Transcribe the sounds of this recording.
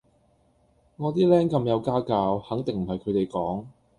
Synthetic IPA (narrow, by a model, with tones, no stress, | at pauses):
ŋɔː˨˧t̪iː˥lɛː˥ŋkɐ˧mjɐ˨˧wkaː˥kaː˧whɐ˨˥ŋt̪ɪ˨ŋm̩˨˩hɐ˨jkʰɵ˨˧ɥt̪e˨jkɔː˨˥ŋ